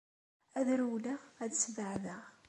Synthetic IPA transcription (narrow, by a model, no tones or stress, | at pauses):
æðɾuwlææðsvəʕðæ